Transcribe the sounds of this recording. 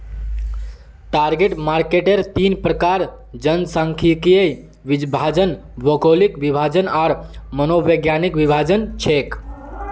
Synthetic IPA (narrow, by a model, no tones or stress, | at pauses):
ʈaɾɡeʈmaɾkeʈeɾt̪inpɾəkaɾ | d͡ʒənsãŋkʰikijəj | ʋid͡ʒbʱad͡ʒən | ʋəkolikʋibʱad͡ʒənaːɾmənoʋəɡjanikʋibʱad͡ʒənt͡ʃʰek